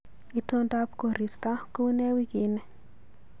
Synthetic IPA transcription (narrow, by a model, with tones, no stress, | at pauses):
i˨to˦nda˦pko˨ɾi˨sta˦ko˦nɛ˦wi˦ɡi˨nɛ˨